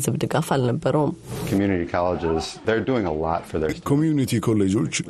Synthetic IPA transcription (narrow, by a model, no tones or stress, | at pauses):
zɨβd̪ɨɡafalnəbːəɾəwmkʰmjʉnɨɾikʰɑlˠəd͡ʒɪzðə˞duɪ̃ŋəlɔ̰tfə˞ðəkʰomjunit̪ʰikʰolːed͡ʒo̞t͡ʃː